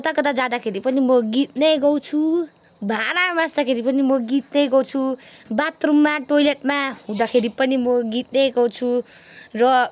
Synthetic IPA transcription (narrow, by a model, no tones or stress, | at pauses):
kʌt̪akʌt̪ad͡zad̪akʰeɾipʌnimʌɡit̪̚nʌjɡʌwt͡sʰu | bʱaɾamasd̪akʰeɾipʌnimʌɡit̪̚nʌjɡʌwt͡sʰubat̪rumːaʈojleʈmaɦũd̪akʰeɾipʌnimʌɡit̪̚nʌjɡʌwt͡sʰu | rʌ